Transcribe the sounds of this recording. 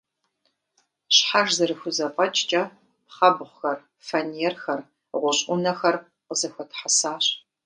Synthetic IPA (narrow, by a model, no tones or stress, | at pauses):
ɕħaʒzɨɾɨxʷʊzɐpʼɐt͡ʃʼt͡ʃʼɐ | pχɐbχʷxɐr | fɐnijɛrxɐr | ʁʷʊɕʼʷʊnɐxɐr | qəzɐxʷɐtʰħasaːɕ